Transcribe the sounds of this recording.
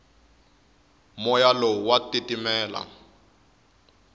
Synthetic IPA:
mɔjalɔwatitimɛːla̰

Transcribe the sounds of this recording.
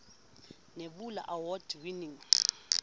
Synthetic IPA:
neɓula̰ʔawɔdwiniŋ

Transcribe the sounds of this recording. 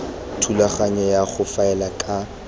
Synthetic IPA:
tʰulaχaɲɛjaχʊfaɛlakʼa

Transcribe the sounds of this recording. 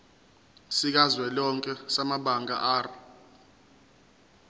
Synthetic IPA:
sik̬azwɛlɔŋkʼɛsamaɓaŋa̰ʔaːra

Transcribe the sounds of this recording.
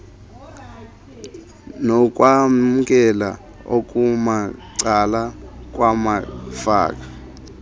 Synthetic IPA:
nɔk̬ʼwam̩k̬ʼɛla̰ | o̰k̬ʼumaǀalak̬ʼwamafa̰ːk̬ʼḁ

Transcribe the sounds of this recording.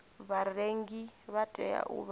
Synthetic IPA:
βareŋɡiβatʼɛa̰ʔṵβ

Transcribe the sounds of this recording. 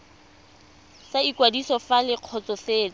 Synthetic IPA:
saikwadisɔfalɪq͡χʰɔt͡sɔfeːt͡sɔ

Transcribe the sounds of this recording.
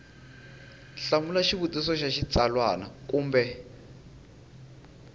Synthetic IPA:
ɬamulaʃiβutʼis̬ɔʃaʃit͡sʼalwana̰kuːmbɛ

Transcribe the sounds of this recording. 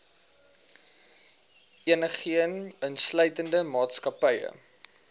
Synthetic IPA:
iənəχiənənslœɥtəndəmɑːtskɐpəjə̰

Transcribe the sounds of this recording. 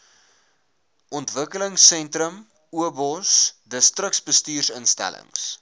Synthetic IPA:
ʔɔntvəkələŋsːɛntrəm | uəbɔsdəstrəksbəstiːrsənstæ̰lə̰ŋs

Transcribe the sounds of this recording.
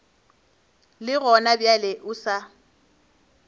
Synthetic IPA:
lɪɣɔnabjalɪʔʊsa

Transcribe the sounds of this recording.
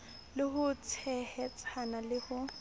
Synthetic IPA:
lɪhʊt͡sʰɛhɛt͡sʼʰanalɪhʊ

